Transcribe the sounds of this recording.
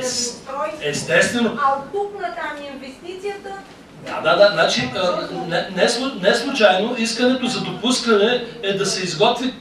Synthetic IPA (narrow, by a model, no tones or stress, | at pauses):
ɛst̪ɛst̪vɛnoaopuknɐt̪amiinvɛst̪it̪sijət̪ə | d̪a̰d̪ad̪aznat͡ʃiənɛnɛslˠʊnɛslˠut͡ʃajnoiskənɛt̪ozɐd̪opuskənɛɛd̪ɐsɛizɡɔt̪vi